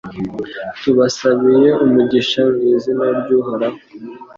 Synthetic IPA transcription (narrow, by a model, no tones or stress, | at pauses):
tuβasaβije̞umuɟiʃaŋizinaɾɟuhaɾa